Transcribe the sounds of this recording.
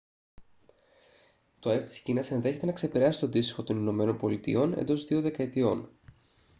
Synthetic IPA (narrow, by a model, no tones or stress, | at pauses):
t̪oe̞pt̪i̥scinɐse̞nðeçe̞t̪e̞nɐkse̞pe̞ɾeɐsi̥st̪o̞nd̪ist̪i̥xo̞t̪o̞nino̞me̞no̞nbo̞lit̪ḭo̞nḛnd̪o̞zðioðe̞kɐe̞t̪io̞̰n